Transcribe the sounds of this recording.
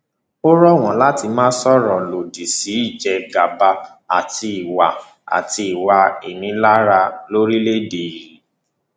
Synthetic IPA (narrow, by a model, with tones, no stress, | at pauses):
o˦ɾɔ˦˨w̃ɔ̃˨la˦ti˧mãː˦sɔ˦ɾɔ̃˨lo˨di˨si˨˦i˦˨d͡ʒɛ˧ɡa˨ba˧ | a˨tʰi˧i˨wa˨ | a̰˨ti˧i˨wa˧i˨nĩ˨˦la˦ɾa˧lo˦ɾi˦le˦de˨i˨ɾi˨